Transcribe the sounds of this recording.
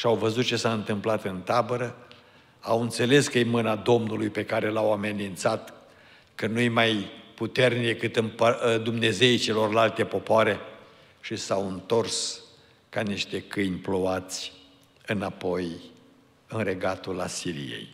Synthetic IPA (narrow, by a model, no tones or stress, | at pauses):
ʃawvəzut̪̚t͡ʃe̞saɨnt̪ɨmplat̪ɨnt̪abəɾə | awɨnt̪se̞le̞skəjemɨnad̪o̞mnulujpe̞kaɾe̞lawame̞nint̪sat̪ | kənujemajput̪e̞rniekɨt̪ɨmpd̪umne̞ze̞it͡ʃe̞lo̞rlalt̪e̞po̞poaɾe̞ | ʃisawɨnt̪o̞rs | kaniʃt̪e̞kɨjnʲplo̞at̪sʲ | ɨnapo̞j | ɨnre̞ɡat̪ula̰siɾḭjḛj